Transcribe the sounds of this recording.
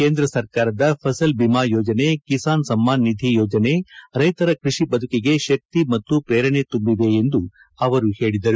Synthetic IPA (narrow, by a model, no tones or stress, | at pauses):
keːnd̪ɾɐsɐɾkaːɾɐd̪ɐpʰɐsɐlbimaːjɔːd͡ʒɐne̞kisaːnsɐmːaːnːid̪ʱijoːd͡ʒɐne̞ɾɐjt̪ɐɾɐkɾiʂibɐd̪ʱukiɡe̞ʃɐk̚t̪imɐt̪ːupɾeːɾɐɳe̞t̪umbiʋe̞ːnd̪u | ɐʋɐɾuhe̞ːɭid̪ɐɾu